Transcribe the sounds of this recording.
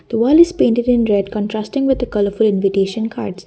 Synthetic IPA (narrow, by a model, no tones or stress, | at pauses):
d̪̥əʋɔːlɪzpẽːɳʈɪɖɪ̃nɾɛɖkɔ̃nʈɾaːsʈɪ̃ŋʋɪd̪ːəkʌləɾfʊlɪ̃nʋɪʈeːʃə̃nkʰa̰ːɾɖs